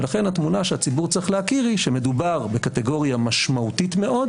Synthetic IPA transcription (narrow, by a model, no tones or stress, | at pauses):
elaχe̞nhat̪munaʃeat͡sibuʁt͡sʁiχlehakiʁiʃeme̞dubaʁbe̞kate̞ɡo̞ʁijamaʃmautitme̞ʔo̞d